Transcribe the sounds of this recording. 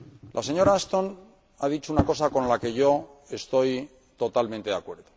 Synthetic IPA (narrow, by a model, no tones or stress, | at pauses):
lʔa̰se̞ɲo̞ɾaːst̪o̞n | aðit͡ʃuunako̞sako̞nlake̞ʝo̞e̞st̪o̞j | t̪o̞t̪alment̪e̞ðakwe̞ɾðo